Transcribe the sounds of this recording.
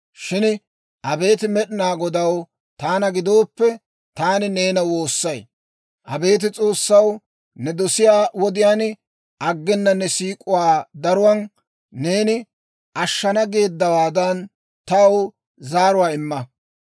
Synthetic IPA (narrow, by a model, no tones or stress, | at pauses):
ʃɪn | ʔɐbe̞ːt̪ɪmɛɗɪnaːɡɔd̪ɐw | t̪aːnɐɡɪd̪o̞ːpːɛ | t̪aːnɪne̞ːnɐwo̞ːsːɐj | ʔɐbe̞ːt̪̬ɪt͡sʼo̞ːsːɐw | nɛd̪ɔsɪjaːwɔd̪ɪjaːn | ʔɐɡːɛnːɐnːɛsiːkʼʊwaːd̪ɐɾʊwɐn | ne̞ːnɪ | ʔɐʃːɐnɐɡe̞ːd̪ːɐwaːd̪ɐn | t̪ɐw | zaːɾʊwaːɪmːɐ